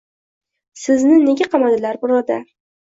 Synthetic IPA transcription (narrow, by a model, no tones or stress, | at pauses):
sɪznɪne̞ɡʲaqʰɑmad̪ɪlaɾbʊɾɒd̪a